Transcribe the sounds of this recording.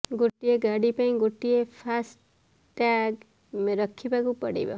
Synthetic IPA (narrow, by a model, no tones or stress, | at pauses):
ɡoʈːieɡaɽipaĩɡoʈːiepʰasʈ | ʈaɡ | mɾɔkʰːibakupɔɽḭbɔ̰